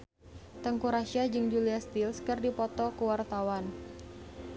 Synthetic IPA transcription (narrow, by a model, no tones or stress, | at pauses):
t̪əŋkuɾasiad͡ʒɨŋd͡ʒuliast̪ilskɨrdipɔt̪ɔkəwart̪awan